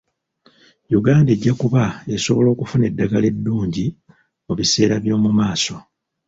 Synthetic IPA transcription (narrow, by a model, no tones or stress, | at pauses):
juɡaːndeɟːakuβae̞so̞βo̞lo̞ːkufune̞dːaɡale̞dːuːɲɟi | muβise̞ːɾaβjo̞ːmumaːso̞